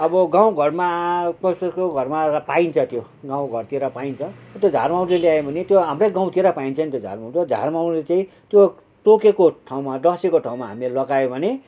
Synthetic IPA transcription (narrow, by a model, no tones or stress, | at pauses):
ʌbʌɡãw̃ɡʱʌrmapʌsekoɡʱʌrmapaint͡sʰʌt̪jo | ɡãw̃ɡʱʌrt̪ʰieɾʌpaint͡sʰʌt̪jod͡zʱarmaw̃nleljajebʱʌnet̪joɦamrʌjɡãw̃t̪ieɾʌpaint͡sʰʌnit̪jod͡zʱa̰rmaw̃t̪jod͡zʱa̰rmaw̃nlet͡saĩ | t̪jo | ʈokekoʈʰaw̃maɖʌsekoʈʰãw̃maɦamilelʌɡajobʱʌne